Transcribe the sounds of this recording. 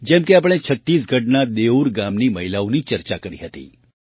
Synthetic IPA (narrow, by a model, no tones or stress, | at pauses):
d͡ʒɛ̃mkeap̬əɽ̃et͡ʃʰət̪ːiːs̬ɡʱəʈnad̪euɾɡamniːməɦilaunit͡ʃəɾt͡ʃakəɾḭɦət̪ḭː